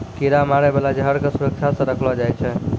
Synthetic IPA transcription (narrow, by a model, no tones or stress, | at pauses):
keɾamaɾɛbelad͡ʒəɦəɾkesuɾək̚t͡ʃʰasə̃ɾəkʰlɔd͡ʒajt͡ʃʰɛ